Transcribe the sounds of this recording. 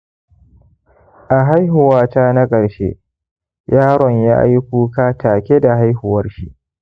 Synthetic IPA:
ʔa˨ɦa˦jɦʊ˨waː˦taː˦na˦kʼɐ˨ɽʃḛ˦ | jaː˦ɽɔ˨ɲjaː˦ʔa̰˦jkʷuː˦kaː˦taː˨kʲe˦da˨ɦa˦jhʊ˨wɐ˦rʃi˦ʔ

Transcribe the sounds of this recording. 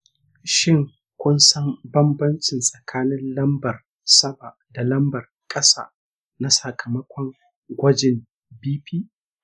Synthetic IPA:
ʃɪ˦˨ŋ | kʷʊ˦nsɐ˦mbɐ˦mbɐ˦nt͡ʃɪ˨nsʼɐ˨kʰaː˦nɪ˦nlɐ˦mbɐ˨r | sɐ˦ba˨ʔda˨lɐ˦mbɐ˨r | kʼɐ˦sa̰ː˦˨ | na˦sɐ˨kʰɐ˨mɐ˦kʷɔ˦ŋ | ɡʷɐ˦d͡ʒɪ˨m | biː˦piː˦

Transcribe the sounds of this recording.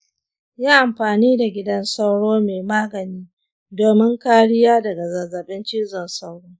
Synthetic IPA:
jaː˦ʔa˨mɸaː˨niː˦da˨ɡʲɪ˦dɐ˦nsa˦wɽoː˦meː˨maː˦ɡɐ˨niː˦ | doː˨mɪ˦ŋkaː˦ɽɪ˦jaː˦dɐ˨ɡa˨zaː˨zaː˨ɓɛ˦nt͡ʃiː˦zɪ˨nsa˦wɽoː˦

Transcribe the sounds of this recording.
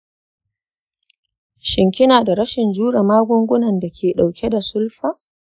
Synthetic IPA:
ʃɪ˨ŋkʲɪ˦naː˨da˨ɾɐ˦ʃɪ˨nd͡ʒuː˦ɽa˨maː˦ɡʷʊ˦ŋɡʷʊ˦nɐ˨nda˨kʲʰeː˨ɗa˨wkʲe˦da˨sʊ˦lɸaː˦

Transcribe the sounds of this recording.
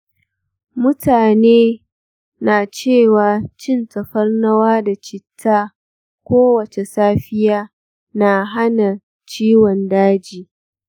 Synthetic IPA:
mʊ˦taː˨neː˦ | naː˨t͡ʃeː˦˨waː˨t͡ʃɪ˦ntɐ˨ɸɐ˦rnɐ˦waː˦da˨t͡ʃɪ˨tʰːaː˦ | kʷoː˦wɐ˨t͡ʃe˨saː˦ɸɪ˦jaː˦ | na˨ɦa˦na˨ | t͡ʃiː˦wɔ˨ndaː˦d͡ʒiː˨

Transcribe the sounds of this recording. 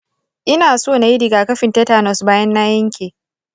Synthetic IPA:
ʔɪ˦naː˨soː˦˨na˨ji˦dɪ˨ɡaː˨kɐ˦ɸɪ˨ntɛ˦taː˦˨nɔ˨sbaː˦jɐ˦nːaː˦jɐ˦ŋkʲeː˨

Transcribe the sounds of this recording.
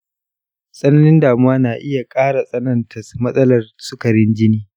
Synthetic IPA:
sʼɐ˦nɐ˦nɪ˦ndaː˨mʊ˦waː˦naː˨ʔɪ˦ja˨kʼaː˦ɽa˨sʼɐ˦nɐ˨ntʰɐ˨smɐ˦sʼɐ˦lɐ˨rsʊ˦kɐ˨ɾɪ˦nd͡ʒɪ˦niː˦

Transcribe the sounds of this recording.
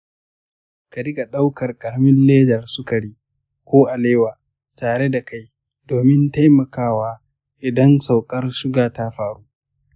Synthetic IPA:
ka˨ɾɪ˦kʼa˨ɗa˦wkɐ˨rkʼɐ˨ɽmɪ˦nleː˦d͡ʒɐ˨rsʊ˦ka˨ɽiː˦ | kʷoː˦ʔa˨leː˦waː˨ | taː˨ɽe˦da˨ka˦j | doː˨mɪ˦nta˦jmɐ˨kaː˦˨waː˦ | ʔɪ˨dɐ˦nsa˨wkʼɐ˦rʃʊ˦ɡaː˨ta˦ɸaː˨ɽuː˦ʔ

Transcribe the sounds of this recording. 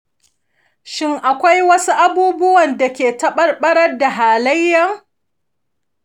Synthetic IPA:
ʃɪ˦ŋʔa˨kʷa˦jwɐ˦su˦ʔa˦buː˦bʊ˦wɐ˨nda˨kʲeː˨tɐ˦ɓɐ˦rɓɐ˦ɽɐ˦rda˨ɦaː˨lɐ˦jːɐ˦˨ŋ

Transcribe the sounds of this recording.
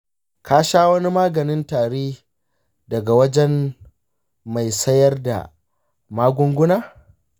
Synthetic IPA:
kaː˦ʃaː˦wɐ˦ni˦maː˦ɡɐ˨nɪ˦ntaː˨ɽeː˦ | dɐ˨ɡa˨wɐ˦d͡ʒɛ˦n | ma˨jsɐ˦jɐ˦rda̰˨ | maː˦ɡʷʊ˦ŋɡʷʊ˦naː˦

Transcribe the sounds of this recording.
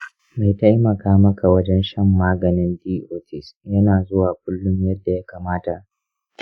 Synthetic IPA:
ma˨jtɐ˦jmɐ˨kaː˦mɐ˦ka˨wɐ˦d͡ʒɛ˦nʃɐ˦mːaː˦ɡɐ˨nɪ˦ndiː˦ʔoː˦tɪ˦˨sjɐ˦naː˨zʊ˦waː˨k̚ʷʊ˦lːʊ˦mjɐ˦dːa˨ja˦kaː˨maː˦ta˨ʔ

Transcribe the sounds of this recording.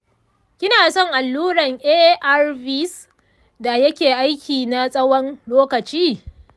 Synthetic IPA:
kʲɪ˦naː˨sɔ˦˨ŋʔa˨lːuː˦ɽɐ˨ŋʔeː˦ʔa˦rbi˦s | da˨jɐ˦kʲeː˨ʔa˦jkʲʰiː˨na˦sʼɐ˦wɔ˦nloː˦kɐ˨t͡ʃiː˦

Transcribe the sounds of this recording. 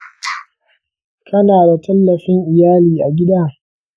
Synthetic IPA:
kʰɐ˦naː˨da˨tʰɐ˦lːɐ˨ɸɪ˦ŋʔɪ˨jaː˦liː˨ʔa˨ɡʲɪ˦daː˦

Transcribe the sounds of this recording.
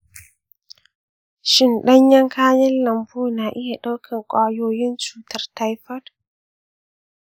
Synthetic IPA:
ʃɪ˨nɗɐ˦ɲjɐ˦ŋkʰaː˦jɐ˦nlɐ˨mbuː˦na˨ʔɪ˦ja˨ɗa˦wkʰɪ˨ŋkʷʼaː˦joː˦jɪ˦nt͡ʃuː˨tɐ˨rta˦jfɐ˦d

